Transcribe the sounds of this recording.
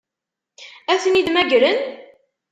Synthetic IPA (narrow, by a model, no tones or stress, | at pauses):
æθəniðmæɡɾən